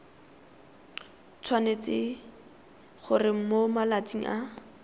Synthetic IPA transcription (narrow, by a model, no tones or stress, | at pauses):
t͡sʰwanet͡sɪ | χʊrɪm̩momalat͡sʼiŋ̩ʔa